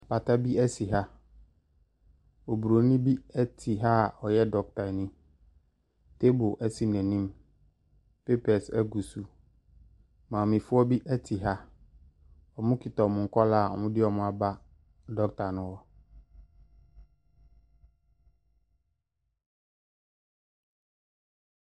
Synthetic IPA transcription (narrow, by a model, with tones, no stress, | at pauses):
a˨pa˨ta˦bi˦ɛ˦si˨ɦa˦ | o˨bu˨ɾo˨˦nĩ˦bi˦æ˦tʰi˨ɦa˦˨ɔ˨jɛ˦dɔ˦k̚tʰa˨nĩ˦ | tʰe˦bʊ˨ʔɛ˦˨si˨nɛ̃˨nĩ˦m | pe˦pɛ˨sɛ̰˦ɡu˨su˨ | mã˨ɔ˨mĩ˨fʊ˦ɔ˦bi˦ʔɛ˦tʰi˨ɦa˦ | ɔ˨mʊ̃˦kʰɪ˨tɔ˨mʊ̃˨ŋ̩˨kʰɔ˦la˦˨ɔ̰˨mʊ̃˦dɪ˦ɔ˨mʊ̃˦a˨ba˦ | dɔ˦k̚tʰa˨nʊ̃˨wɔ˦